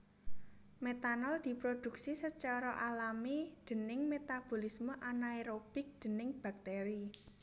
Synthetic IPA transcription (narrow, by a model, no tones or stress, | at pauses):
met̪anɔld̪̥i̤pɾod̪̥ṳk̚sisət͡ʃɔɾɔʔalamid̪̥ə̤nɪŋmet̪ab̥o̤lisməʔanaeɾob̥ɪk̚d̪̥ə̤nɪŋb̥a̤k̚t̪eɾi